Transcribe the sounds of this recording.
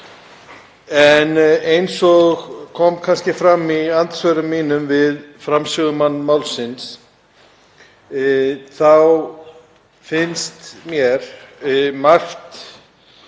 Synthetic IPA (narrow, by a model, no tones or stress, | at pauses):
ɛnejnsɔɣkʰɔmkʰanscɪfɾamːiant̪svœɾʏmːiːnʏmvɪðfɾamsʏɣʏmanːmaːwlsɪns | θaw | fɪnst̪mjɛɾ̥ | mar̥t̪